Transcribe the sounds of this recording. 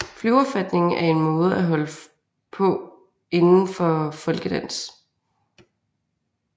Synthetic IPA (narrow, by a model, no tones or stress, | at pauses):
flyʊɒb̥fæd̥ne̝ŋ̩æɐe̝nmɔ̽ːð̞̩ˠæɦɒ̽lə | pʰɒ̽ | e̝nn̩fɒ̽fɒ̽lɡ̥əd̥æn̰s